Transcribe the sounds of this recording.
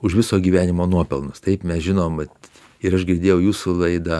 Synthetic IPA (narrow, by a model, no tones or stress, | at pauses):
ʊʃʋʲɪsoːɡʲiːʋʲæːnʲɪmoːnuɔpʲɛlˠnʊst̪ɐɪpmʲɛsʒʲɪnoːmɐt̪ | ɪɾɐʃɡʲɪɾʲd̪ʲeːjɛʊjuːsʊlˠɐɪd̪ɑ